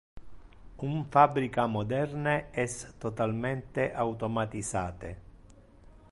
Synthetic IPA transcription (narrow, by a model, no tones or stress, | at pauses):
uɱfabːɾikamod̪ɛrneɛst̪ɔt̪alment̪eʔawt̪omat̪izaːt̪ḛ